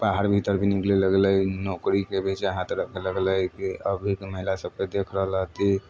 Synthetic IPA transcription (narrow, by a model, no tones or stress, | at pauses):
baɦaɾbʱit̪əɾbʱinikleləɡləjnokɾikebet͡ʃeəɦãt̪ɔɾəkʰeləɡləjkeʔəbʱikeməɦilasəb̚ked̪ekʰɾəɦəlɦət̪i